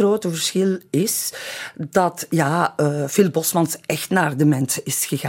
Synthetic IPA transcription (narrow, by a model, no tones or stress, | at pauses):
roːtəvərsxɪlɪs | dɑtjaːfɪlˠbɔsmɑnsɛxtnaːrdəmɛntɪsxəɣaː